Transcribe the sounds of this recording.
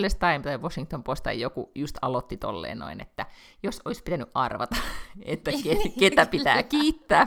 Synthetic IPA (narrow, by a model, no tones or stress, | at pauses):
lːest̪ɑimt̪ɑiʋosiŋkt̪ompost̪ɑ̰ijjokujust̪ɑlot̪ːit̪o̰lːḛːnno̰inḛt̪ːæ | josoispit̪ænyʔʔɑrʋɑ̰t̪ɑet̪ːækeket̪æpit̪æ̰ːkiːt̪ːæː